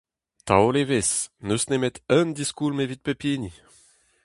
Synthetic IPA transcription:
t̪a̰olevesnøsnemet̪œnd̪iskulmevit̪̚pepiːni

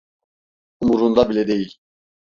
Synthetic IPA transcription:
umuɾund̪ɑbilɛd̪ejilʲ

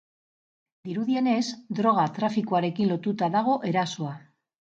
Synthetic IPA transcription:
d̪iɾuðje̞nezd̪ɾo̞ɣ̞at̪ɾafikuaɾekinlot̪ut̪aðaɣ̞oʔeɾaswa

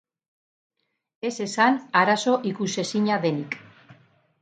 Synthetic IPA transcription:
e̞se̞sanaɾaso̞ʔikuse̞siɲaðe̞nik

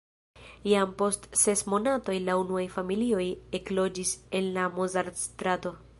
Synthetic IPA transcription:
jampo̞stse̞smo̞nato̞jlaunuajfamilio̞je̞klo̞d͡ʒise̞nlamozaɾstɾato̞

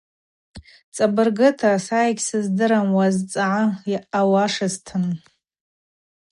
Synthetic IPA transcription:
t͡sʼabɨrɡɨtʰasajkʲsɨzdɨɾamwazt͡sʼaʕajʔawaʂaztʰɨn

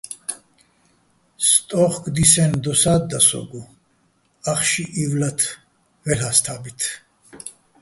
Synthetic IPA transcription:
st̪ʼɔχɡd̪isɛnd̪ɔsad̪ːasɔ̰ɡu | aχʃiʔivlat̪ʰ | vɛɦast̪ʰabit̪ʰ

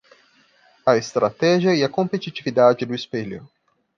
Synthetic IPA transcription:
ɐest̪ɾat̪ɛʒiɐiɐkõmpet͡ʃit͡ʃivid̪ad͡ʒɪd̪ʊispeʎʊ̰

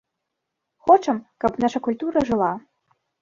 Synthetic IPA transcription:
xɔt͡ʂɐmkɐpnaʂɐkulʲt̪uɾɐʐɨlˠa

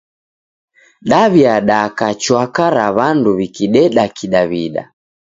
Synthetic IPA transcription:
ɗaβiaɗakat͡ʃwakaɾaβanduβikiɗɛɗakiɗaβiɗa̰

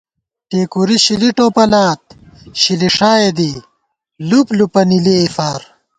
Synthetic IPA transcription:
ʈeːkuɾiɕiliʈoːpɐlaːt̪̚ | ɕiliʂaːed̪i | luplupɐnileːfaːɾ

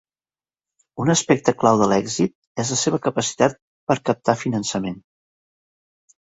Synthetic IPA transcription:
unəspɛk̚t̪əklawðəlɛɡzit̪̚ | ɛzləseβ̞əkəpəsi̥t̪at̪̚ | pəɾkəp̚t̪afinənsəmen

